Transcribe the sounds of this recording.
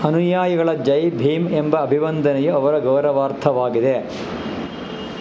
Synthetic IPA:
ɐnujaːjɐɡɐɭɐd͡ʒɐjbʱiːmembɐːbʱiʋɐnd̪ʱɐnɛjeɐʋɐɾɐɡɐwɾɐʋaːɾt̪ʰɐʋaːɡid̪e

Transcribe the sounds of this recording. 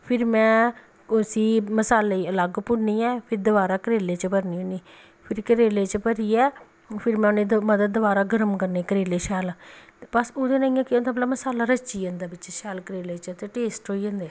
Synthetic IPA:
pʰɪɾmɛ̃ː | ʊsiːməsaːleːələɡpʊɾniːɛːpʰɪɾd̪əbaːɾaːkəɾeːleːt͡ʃəpəɾniːoːniː | pʰɪɾkəɾeːleːt͡ʃəpəɾiːɛː | pʰɪɾmɛ̃oːnẽːd̪məd̪əd̪̚ːəbaːɾaːɡəɾəmkəɾneːkəɾeːleːʃɛːlpəsoːd̪eːnaːiːãːkɪoːnd̪aːmət̪ləbməsaːlaːɾət͡ʃiːãːnd̪aːbɪt͡ʃʃɛːlkəɾeːleːt͡ʃt̪eːʈeːsʈɦoːiãːnd̪eː

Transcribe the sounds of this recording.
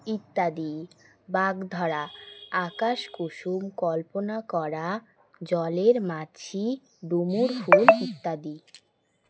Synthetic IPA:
it̪ːad̪i | baɡd̪ʱɔɽaakaʃkuʃumkɔlponakɔɾa | d͡ʑɔleɾmat͡ɕʰi | ɖumuɾfulit̪ːad̪i

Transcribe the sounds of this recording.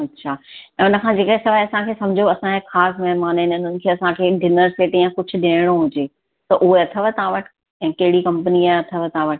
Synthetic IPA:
ɐtːɕʰaːɛ̃ːʊnə̆kʰãːd͡ʑeːkesɐʋaːiɐsãkʰeːsɐ̃md͡ʑʱoɐsãexaːsmɛɦmaːnɪnʊn̤ənɪ̆kʰeːɐsãkʰeːɖʱɪnəɾseːʈĩãkʊd͡ʑʰʱʊ̆ɗeːɽ̃oɦʊd͡ʑeː | t̪ɐʔʊɦeɐt̪ʰəʋət̪ɐãʋɐʈʰɪ̥ | ɛ̃ːkɐɦɪɽikɐ̃mpəniaːɐt̪ʰəʋət̪ɐɦãʋɐʈ

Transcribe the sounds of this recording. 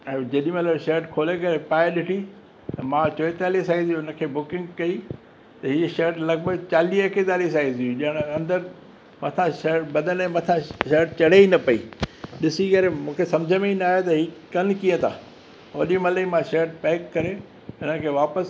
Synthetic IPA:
ɛ̃d͡ʑɐɗimẽləɾʃeːʈkʰoːlekɐɾepaːeɗɪʈʰi | ɐmãt͡ɕoːet̪aːlisaːĩziʊnə̆kʰeːbʊkɪ̃ŋɡkɐi | t̪ɐɦiːʃeːʈlɐɡbəɡt͡ɕaːliːɐked̪aːɾis̬aːɦiziũʄɐɪɽ̃ɐ̃nd̪əɾ | mɐt̪ʰãʃeːʈbɐd̪ʱənɛ̃mɐt̪ʰãʃeːɾʈ̚t͡ɕɐɽ̤einɐpɐḭːɗɪsikɐɾemũːkʰesɐ̃md͡ʑʱəmẽinaːɦet̪ɐɦiːkɐnkiːə̃t̪ʰa̰ː | oːɗimɐləimãʃeːʈ̚pɛːkːɐɾe | ɦɪnəkʰeːʋaːpəs

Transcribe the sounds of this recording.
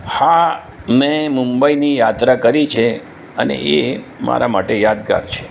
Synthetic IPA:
ha | mẽmũmbəinijat̪ɾakəɾit͡ʃʰe | ənḛʔe | ma̰ɾamaʈejad̪ka̰ɾt͡ʃʰe̥

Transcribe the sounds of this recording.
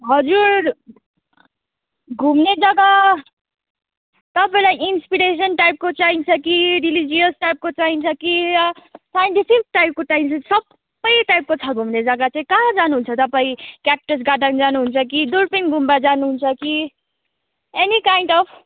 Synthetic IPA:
ɦʌd͡zuɾ | ɡʱumned͡zʌɡa | t̪ʌpaĩlajinspiɾes̬ʌnʈajp̚kot͡saint͡sʰʌkiɾilid͡ziʌsʈajp̚kot͡saint͡sʰʌkiɾʌsajnʈipʰik̚ʈajp̚koʈaint͡sʰʌsʌb | ʌjʈajp̚kot͡sʰʌɡʱumned͡zʌɡat͡saĩkãd͡zanuɦunt͡sʰʌt̪ʌpaĩkjap̚ʈʌs̬ɡaʈand͡zanuɦunt͡sʰʌkid̪uɾpinɡʱumbad͡zanuɦunt͡sʰʌki | enikajɳɖʌpʰ

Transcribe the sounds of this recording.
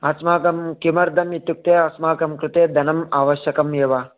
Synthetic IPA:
ɐsmaːkɐmkimɐɾd̪ʱɐmjit̪juk̚t̪eːɐsmaːkɐmkɾut̪eːd̪ʱɐnɐmaːʋɐʃjɐkɐmjeːʋa

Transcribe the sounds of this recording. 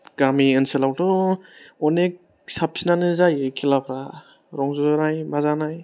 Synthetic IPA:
ɡ̥amiɯnsɯlawdɔ | ɔnek̚ | sap̚sinanɯzajɯkʰilapʰɾa | ɾɔŋzɔzɔnajmazanaj

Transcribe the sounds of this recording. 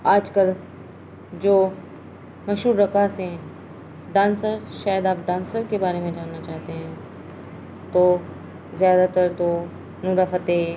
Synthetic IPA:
aːd͡ʒkəl | d͡ʒoː | mɐʃuːɾːɐkaseɦɛ̃ | ɖãːnsəɾʃaːjəd̪aːp̚ɖãːnsəɾkebaːɾemẽd͡ʒaːnːat͡ʃaːɦt̪eɦɛ̃ː | t̪o | zjaːd̪at̪ɐɾt̪o | nuɾafɐt̪e

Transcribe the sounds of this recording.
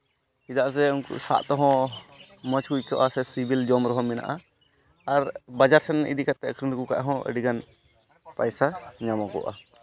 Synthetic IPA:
id̪aʔs̬ɛunkṵʔsa̰ʔt̪ɔɦɔ̃ | mət͡ʃkujkɔʔasɛsibild͡ʒɔmɾɔɦɔ̃mɛna̰ʔa | aɾbad͡ʒaɾsɛnʔḭd̪ikat̪ɛəkʰɾimɾkuka̰ʔɦɔ̃ə̰ɖiɡan | pajsaɲamakɔ̰ʔa

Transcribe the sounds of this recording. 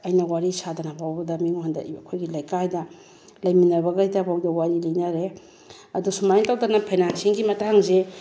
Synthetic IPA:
ɐjnɐwaɾisadɐnɐpʰawbɐdɐmiŋandɐ̰kʰojɡilɐjkajdɐ | lɐjminɐβɐɡɐitabawdɐwaɾilɐjnaɾe | ɐdusumajntawdanɐpʰajnansiŋɡimɐtaŋze

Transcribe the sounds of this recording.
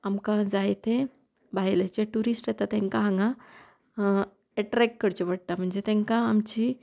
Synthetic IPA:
amkãd͡zaet̪ʰẽ | baɦjlət͡ɕeʈuɾisʈet̪at̪ẽŋkaɦãŋɡã | eʈɾɛk̚ʈkəɾt͡ɕeʋəɽ̚t̪am̤əɳd͡zet̪ẽŋkãːmt͡ɕi

